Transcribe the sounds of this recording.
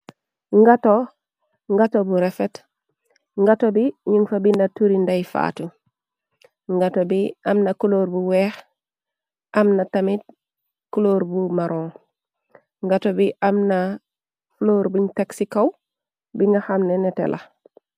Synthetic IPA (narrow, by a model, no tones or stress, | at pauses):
ŋɡato | ŋɡatobuɾefet | ŋɡatobiɲuŋfabindatuɾindajfa̰tu | ŋɡatobiʔamnakuloːɾbuweːx | amnatamit̚ | kuloːɾbumaɾʔõː | ŋɡatobiʔamna | floːɾbiŋtaksikaw | biŋɡaxamnenetḛlʔa